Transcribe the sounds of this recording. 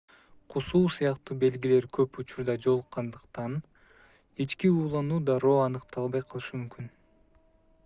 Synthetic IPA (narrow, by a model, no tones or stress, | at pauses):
qʰusuːsɯjɑqt̪uːbe̞lɡile̞ɾkʰø̞put͡ʃuɾd̪ɑd͡ʒo̞lˠqːɑnd̪ɯqt̪ɑn | it͡ʃkiuːlˠɑnuːd̪ɑɾo̞ːɑnɯqt̪ʰɑlˠβɑjqʰɯlˠɯʃɯmymkyn